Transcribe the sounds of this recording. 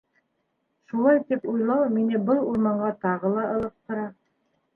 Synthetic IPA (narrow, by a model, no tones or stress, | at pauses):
ʃulˠɑjt̪ipujlˠɑwminɘbɤlˠuɾmɑɴɢɑt̪ɑʁɤlˠɑʔɤ̆lˠɤ̆p̚t̪ɤ̆ɾɑ